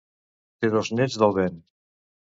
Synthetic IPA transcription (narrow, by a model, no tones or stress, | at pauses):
t̪eðoznɛd͡zðəlˠβen